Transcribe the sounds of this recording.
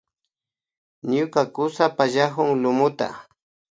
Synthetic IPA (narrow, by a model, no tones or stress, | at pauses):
ɲʊkakʊsapaʒaxʊŋlʊmʊt̪a̰